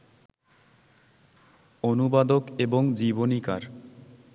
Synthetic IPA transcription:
onubad̪okeboŋd͡ʑibonika̰ɾ

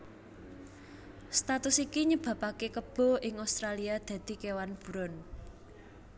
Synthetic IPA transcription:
st̪at̪ʊsikiɲəb̥ä̤pakekəb̥ɔ̤ʔɪŋast̪ɾaliad̪̥ä̤d̪̥i̤kewanb̥ṳɾɔn

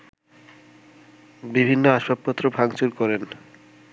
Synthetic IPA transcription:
bibʱinːoaʃwapːot̪ːɾobʱaŋt͡ɕuɾkɔɾen

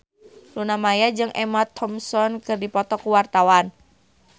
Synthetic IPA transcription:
lunamajad͡ʒɨŋʔɛmat̪ʰːɔmsɔnkɨrdipɔt̪ɔkuwart̪awan

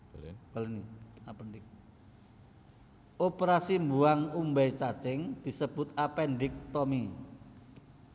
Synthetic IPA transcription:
balniapɛndɪk̚ | opəɾasimbuaŋumbɛjt͡ʃḁt͡ʃɪŋd̪̥i̤səb̥ʊ̤t̪apɛɳɖɪk̚t̪ɔmi

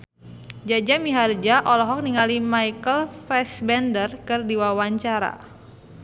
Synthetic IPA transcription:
d͡ʒad͡ʒamiɦard͡ʒaʔɔlɔɦɔk̚niŋalimajkəlfɛsbɛndərkɨrdiwawaɲt͡ʃaɾa̰

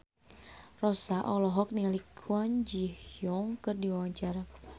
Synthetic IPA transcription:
rɔsaʔɔlɔɦɔk̚nilikʰuand͡ʒihjɔŋkɨrdiwawaɲt͡ʃaɾa

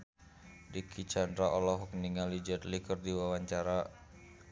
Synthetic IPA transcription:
dikʰit͡ʃand̪ɾaʔɔlɔɦɔk̚niŋalid͡ʒɛt̪likərdiwawaɲt͡ʃaɾa

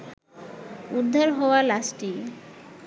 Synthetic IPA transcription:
ud̪ʱːaɾɦɔoalasʈi

